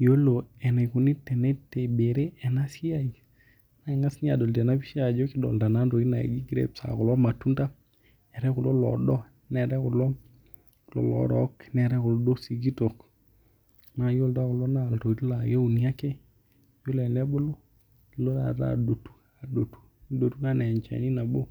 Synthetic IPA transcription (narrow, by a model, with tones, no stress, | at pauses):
jo˦lo˨ɛ˨ne˨kʊ˨nɪ˦tːɛ˨nɛ˦tːe˨be˨ɾe˦ɛ˨na˦si˦a˦i˨ | na˦˨ŋa˦sɲ˦a̰˨dɔ˨ltɛ˨na˦pi˦ʃa˨d͡ʒo˦kɪ˦dɔ̰˨lda˨na˦ndo˨i˦na˨ḛ˨ɡi˦ɡɾḛ˦˨psa̰˨kʊ˨lɔ˦ma˨tu˦nda˦ | ɛ˨ɾɛ˦kʊ˨lɔ˦lɔ̰˨dɔ˦ | nɛ˨ɾɛ˦kʊ˨lɔ˦ | lɔ̰˨lɔ̰˨ɾɔ̰˨˦knɛ˨ɾɛ˦kʊ˨lɔ˦do˦si˨ɡi˦to˨k | ma˦˨jo˦lda˦kʊ˨lɔ˦na˦˨lto˨i˨tla˨je˦u˨ni˦a˦ke˦ | jo˦lɛ˨nɛ˦bo˦lo˦ | i˨lo˦ɾa̰˨ta̰˨do˨tu̥˦ | a˨do˨tu̥˦i˦do˨tu˦ka˦nɛ˨ɲt͡ʃa̰˨ni˦na˨bo˦